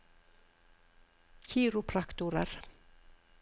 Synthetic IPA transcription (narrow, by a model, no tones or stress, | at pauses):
çiːɾʊpʰɾakt̪ʊɾə̰ɾ